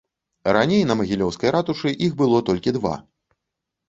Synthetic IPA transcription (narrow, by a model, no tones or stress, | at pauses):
ɾanʲejnɐmɐɣʲilʲɔwskɐjɾat̪uʂɨʔixbɨlˠɔt̪ɔlʲkʲid̪va̰